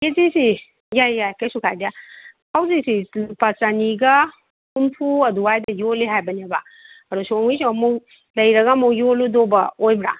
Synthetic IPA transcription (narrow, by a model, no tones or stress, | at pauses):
ezisi | jajjajkejsukʰajda | hawzisipat͡ʃaniɡɐ | humpʰuɐduajdɐjoliɦajbɐneba | ɐɾusɔŋisoɐmuw | lɐjɾɐɡɐːmuwjoludobɐojbɾa̰